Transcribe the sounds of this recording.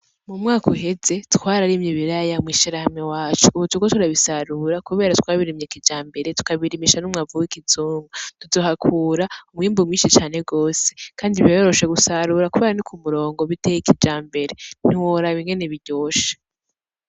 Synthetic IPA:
mumŋaːkuɦe̞ze̞tkwaːɾaɾimɲiβiɾajamwiʃiɾahamŋewaːt͡ʃuːβutukotuɾaβisaɾuɾakuβe̞ːɾatwaːβiɾimɲekid͡ʒaːmbe̞ɾe̞tu̥kaβiɾimiʃanumŋavuwikizuːŋɡatuzo̞hakʰuːɾaumŋiːmbumŋiːnʃit͡ʃaːne̞ɡo̞ːse̞̥kaːndiβjojoɾo̞ʃe̞ɡusaɾuːɾakuβeːɾanikʰumuɾo̞ːŋɡoβitejikid͡ʒaːmbe̞ɾe̞n̥iwoɾaβiŋɡe̞ne̞βiɟo̞ːʃḁ

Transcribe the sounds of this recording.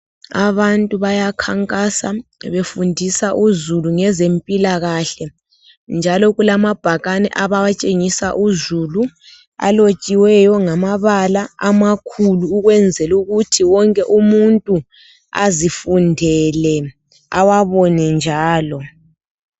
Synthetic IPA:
a̰βantʼuβajakʰaŋkʼasaβefundʱisaʔuzuluŋɛzempʼilaɣaɬɛ | nd͡ʒʱalɔɣulamab̥ʱaɣanɛ̰ʔaβawat͡ʃʼeŋisaʔuzulu | a̰lot͡ʃʼiwɛjɔŋamaβalaamakʰuluːɣwɛnd͡zʱɛluɣutʰiwɔŋkʼɛʔumuntʼu | a̰zifundʱɛlɛ | awaβɔnɛnd͡ʒʱaːlɔ

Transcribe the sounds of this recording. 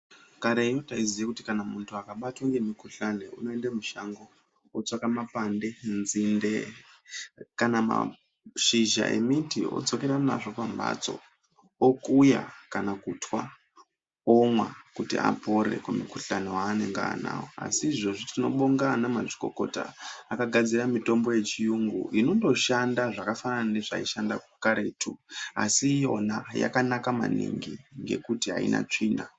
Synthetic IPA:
kaɾeijotaizijakuti̥kanamuntʰuakaɓatwaŋɡe̞mikuɬanḛṵno̞endamuʃaŋɡo̞ | ot͡sakamapande̞nzinde | kanama̰ | ʃiʒa̰ʔḛmitio̰d͡zo̞keɾana̰ʐo̞pamba̰t͡so̞̰ | okuja̰kanakutʰwa | omwa̰kutia̰po̞ɾe̞̰kumikuɬanowaːne̞ŋɡaana̰woa̰siːʐo̞ʐitino̞ɓoŋɡanamaʐiko̞̰ko̞ta̰ːkaɡʱad͡ziɾamito̞mbo̞je̞t͡ʃijuŋɡṵʔino̞ndo̞ʃandaʐakafananane̞ʐaiʃandakukaɾe̞tʰua̰sijo̞naja̰kanakama̰nḭŋɡiŋɡe̞̰kutiɦa̰ḭna̰t͡ʂiːna

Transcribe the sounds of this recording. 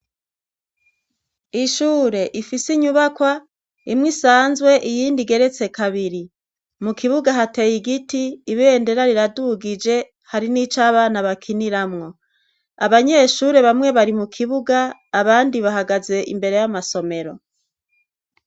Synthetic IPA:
iʃuːɾe̞ʔifisiɲuβakwa | imŋisaːnzwe̞ʔijiːndiɡe̞ɾe̞t͡se̞kaβiɾi | mukʰiβuɡaɦate̞jiɡitiːβende̞ɾaɾiɾaduɡid͡ʒe̞ | haɾinit͡ʃaːβaːnaβakʰiniɾamŋo̞ | aβaɲe̞ʃuːɾe̞βamŋe̞βaɾimukʰiβuɡaːβaːndiβaɦaɡaze̞ʔḭmbe̞ɾe̞jamaso̞me̞ɾo̞

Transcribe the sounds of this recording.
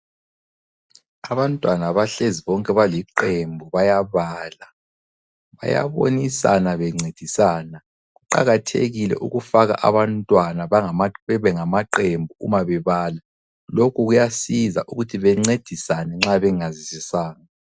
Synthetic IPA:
aβantʼwanaβaɬeziβɔŋkʼɛβaliǃembʱuβajaβaːla | βa̰ja̰βo̰nisa̰naβɛŋ͡ǀed̥ʱisaːna | ɣuǃa̰ɣatʰḛɣilɛ̰ʔṵɣufaɣa̰ʔa̰βantʼwanaβaŋamɛβɛŋamaǃembʱuumaβɛβaːla | lokʰuɣujasiza̰ʔuɣutʰiβɛŋ͡ǀed̥ʱisanɛŋ͡ǁaβɛŋazisisaːŋa

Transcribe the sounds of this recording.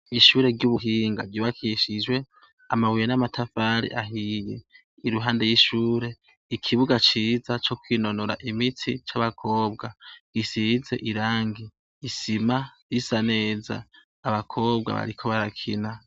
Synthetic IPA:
iʃuːɾe̞ɾɟuβuɦiːŋɡaɾɟoβakʰiʃid͡ʒwe̞ | amawujenamatʰafaɾḭʔaɦijḛ | iɾuɦaːnde̞jiʃuːɾe̞ | ikʰiβuɡat͡ʃiːzat͡ʃo̞kwino̞noɾa̰ʔimitʰit͡ʃaβakʰo̞ːbɡaɡ̥isize̞̰ʔiɾaːŋɡiː | simajisane̞ːza̰ː | βakʰo̞ːbɡa̰βa̰ɾikʰo̞βaɾakʰina

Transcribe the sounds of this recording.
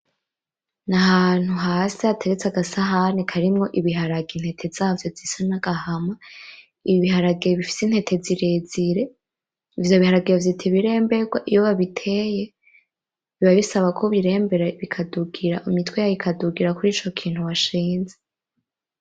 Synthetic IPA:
naɦan̥huɦaːsiatʰe̞ɾet͡saɡasaɦanikʰaɾimŋo̞ʔiβiɦaɾaɡin̥hetʰe̞z̥aːvjo̞vzisanaɡ̥ahama | iβiβiɦaɾaɡeβifi̥sin̥he̞tʰe̞ziɾe̞ziɾe̞ | ivjoβihaɾaɡiavitʰiβiɾe̞ːmbe̞ɡwa̰ʔijo̞βaβitʰe̞ːje̞ | βiβaβisaβakʰoβiɾe̞ːmbe̞ɾaβikʰaduɡiɾaʔumitwejajikʰaduɡiɾakuɾiːt͡ʃo̞kʰiːn̥huβaʃiːnze

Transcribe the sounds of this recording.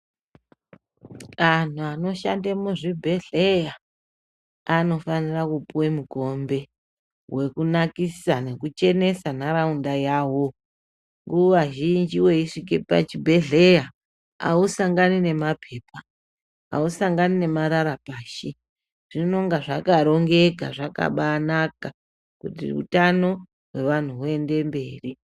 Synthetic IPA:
an̤uano̞ʃa̰ndemuʐibʱe̞ɮeja | ano̞fanirakupuwemuko̞mbe̞ | we̞kunakisane̞kut͡ʃe̞ne̞sanaɾaundajaːwo̞ | ŋɡuʋaʒind͡ʒiwe̞iʂikepa̰t͡ʃibʱe̞ɮe̞ja | a̰usaŋɡanine̞mapʰe̞ːpa | a̰usaŋɡanine̞maɾaɾapaːʃi | ʐ̥ino̞ŋɡaʐakaɾo̞ŋɡe̞ka̰ʐaka̰ɓaːnaka | kutḭṵtano̞ | we̞ʋan̤uɦue̞nde̞mbe̞ːri

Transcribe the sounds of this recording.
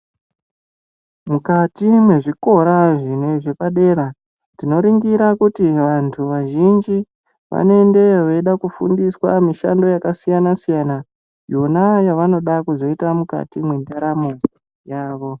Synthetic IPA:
mukatimwe̞ʐiko̞ɾaʐineʐe̞paɗe̞ɾa | dino̞ɾiŋɡiɾakutiʋantʰuʋaʒind͡ʒi | ʋa̰noe̞nde̞ʋeiɗakufṵndiswa̰miʃa̰ndo̞jakasijanasijana | jonajaʋano̞ɗakuzo̞itamuka̰timwendaɾamozi | jaːʋo̞

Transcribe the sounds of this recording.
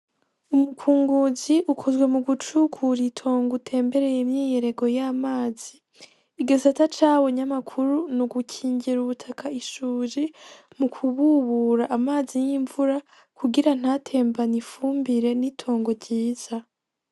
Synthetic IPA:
umukʰuːŋɡuziʔukʰo̞zwe̞muɡut͡ʃukʰuɾitʰo̞ːŋɡutʰe̞ːmbe̞ɾe̞jemɲiːje̞ɾe̞ɡo̞jaːmaːz̥iː | ɡasatat͡ʃaːwo̞ɲamakʰuɾunuɡucʰiːɲɟiɾuβutʰakʰaiʃuːʒi | mukʰuβuβuɾaʔːmaːzijiɱvuɾa | kuɡiɾan̥aːtʰe̞ːmbanifuːmbiɾe̞nitʰo̞ːŋɡo̞ɾɟiːz̥a

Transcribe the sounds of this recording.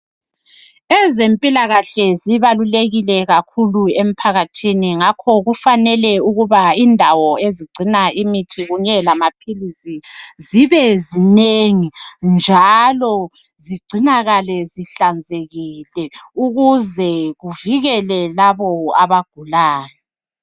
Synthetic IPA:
ɛzempʼilaɣaɬɛziβaluleɣilɛɣakʰuluem̩pʰaɣatʰiniŋakʰɔɣufanɛlɛuɣuβaindʱawɔeziɡ͡ǀʱinaʔimitʰiɣuɲɛlamapʰilisiziβɛzineŋind͡ʒʱalɔ | ziɡ͡ǀʱinaɣalɛziɬand͡zʱeɣilɛuɣuzɛɣuviɣɛlɛlaβɔaβaɡ̥ʱulaːjɔ

